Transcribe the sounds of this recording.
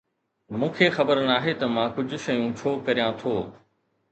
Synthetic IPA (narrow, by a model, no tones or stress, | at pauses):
mũːkʰeːxɐbəɾnaːɦet̪ɐmãːkʊd͡ʑʱʊ̆ʃɐjũt͡ɕʰoːkɐɾijãt̪ʰoː